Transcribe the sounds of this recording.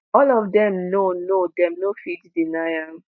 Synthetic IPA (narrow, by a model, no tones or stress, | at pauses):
ɔlɔvdɛmnonodɛmnofiddinajam̩